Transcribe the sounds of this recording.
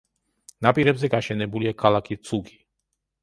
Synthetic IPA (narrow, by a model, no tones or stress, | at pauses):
napiɾɛbzɛkaɕɛnɛbuljɛkʰalakit͡suki̥